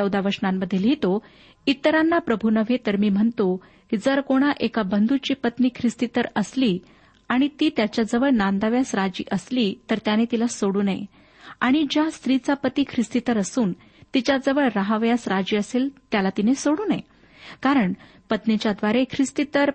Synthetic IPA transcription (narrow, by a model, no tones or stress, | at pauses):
əwd̪aʋəɾsnamːəd̪ʱːjelɦet̪o | it̪əɾanːapɾəbʱunəʋ̤et̪əɾmiːm̤əɳt̪o | kid͡zəɾkoɽ̃aʔekabənd̪ʱut͡ɕiːpət̪niːkʰɾist̪it̪əɾəsliː | aɽ̃it̪iːt̪jat͡ɕjad͡zəʋəɭnand̪aʋjasɾad͡ʑḭːʔəsliːt̪əɾt̪janet̪ilasoɽuːnae | aɽ̃id͡ʑjast̪ɾit͡sapət̪iːkʰɾist̪it̪əɾəsuːn | t̪it͡ɕad͡zəʋəɭːaɦaʋjasɾad͡ʑiːəselt̪jalat̪inesoɽuːnḛ | kaɾəɳ | pət̪net͡ɕjad̪ʋaɾekʰɾist̪it̪əɾ